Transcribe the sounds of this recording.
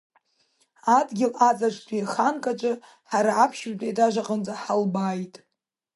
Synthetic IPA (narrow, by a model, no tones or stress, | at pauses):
adɡʲɪlat͡sʼaʈ͡ʂʷʰtʰʼiχankʼat͡ʃʷʼɨ | ħaɾaapʰʃmtʼejdʼaʒʷaqʼənd͡zaħalbaːjtʼ